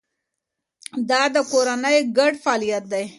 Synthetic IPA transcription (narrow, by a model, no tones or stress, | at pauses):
d̪ɑd̪əkoɾanəjɡaɖfɑlijat̪̚d̪aj